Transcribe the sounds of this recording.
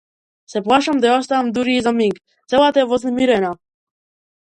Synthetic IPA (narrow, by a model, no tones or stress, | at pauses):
sɛplˠaʃamd̪ajost̪aamd̪uɾiizamiŋɡ | t̪selˠat̪avoznɛmiɾɛna